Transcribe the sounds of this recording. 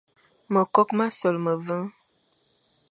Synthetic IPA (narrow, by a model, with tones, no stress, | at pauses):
mə˨kɔ˦kma˦sɔ˨lmə˨və˦ŋ